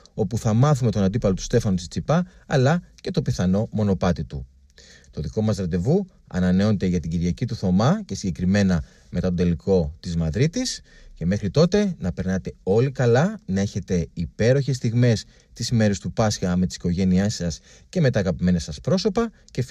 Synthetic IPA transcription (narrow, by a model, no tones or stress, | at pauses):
o̞puθɐmɐθume̞t̪o̞nɐnd̪ipɐlo̞t̪u̥st̪e̞fɐnot̪ist͡sipɐːlɐce̞t̪o̞piθɐno̞mo̞no̞pɐt̪it̪u | t̪o̞ðiko̞mɐzɾɐd̪e̞vu | ɐ̰nɐneo̞net̪e̞ʝɐt̪iɟiɾʝɐcit̪uθo̞mɐce̞siɲɟe̞kɾime̞nɐ | me̞t̪ɐt̪od̪e̞liko̞t̪izmɐðɾit̪is | ce̞me̞xɾit̪o̞t̪e̞nɐpe̞ɾnɐt̪e̞o̞likɐlɐnɐe̞çe̞t̪e̞ipe̞ɾo̞çe̞st̪iɣme̞s | t̪isime̞ɾest̪upɐsçɐme̞t̪i̥si̥ko̞ʝe̞niesɐs | ce̞me̞t̪ɐːɣɐpime̞nɐsɐspɾo̞so̞pɐ | ce̞